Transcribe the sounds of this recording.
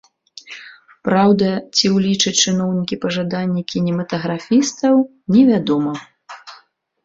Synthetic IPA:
pɾawd̪ɐt͡sʲiwlʲit͡ʂɐt͡ʂɨnɔwnʲikʲipɐʐad̪anʲːɛkʲinʲɛmɐt̪ɐɣɾafʲist̪ɐw | nʲɛvʲad̪ɔmɐ

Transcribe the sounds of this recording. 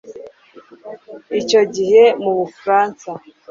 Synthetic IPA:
ico̞ɟihe̞muβufɾaːnsa

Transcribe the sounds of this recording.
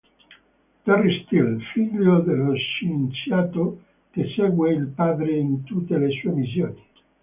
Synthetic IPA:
t̪arist̪ilfiʎːod̪elːoʃent̪sjaːt̪o | kesɛɡweilpaːd̪ɾeint̪ut̪ːelesuːemis̬joːni

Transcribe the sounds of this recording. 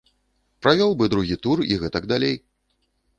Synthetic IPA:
pɾavʲɔlˠbɨd̪ɾuɣʲit̪uriɣɛt̪ɐɡd̪alʲej

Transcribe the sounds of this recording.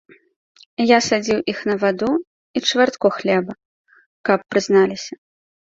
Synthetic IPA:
jasad͡zʲiwʔixnɐvad̪u | it͡ʂvart̪kɔxlʲɛbɐ | kɐpːɾɨznalʲisʲɐ

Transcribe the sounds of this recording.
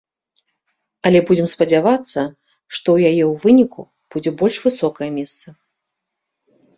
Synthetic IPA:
ɐlʲɛbud͡zʲɛmspɐd͡zʲavat̪sːɐ | ʂt̪ɔwjajɛwvɨnʲikṵ | b̥ud͡zʲɛbɔlʲʂvɨsɔkɐjɛmʲɛst̪sɐ

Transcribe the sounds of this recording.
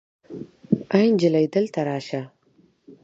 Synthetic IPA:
ajnd͡ʒalajd̪əlt̪ʰaɾɑːʃa

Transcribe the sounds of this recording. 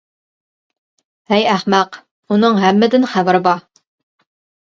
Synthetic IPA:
hæjæhmæq | unɨŋɦæmːɪd̪ɪnχævɪɾɨbɑ

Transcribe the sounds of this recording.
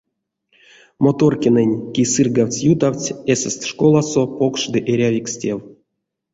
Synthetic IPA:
mot̪orkʲinɨnʲkʲisɨrɡawt͡sʲjut̪awʲt͡sʲesʲɛsʲt̪ʲʂkolˠasopokʂd̪ɨʔeɾʲavʲiksʲtʲew

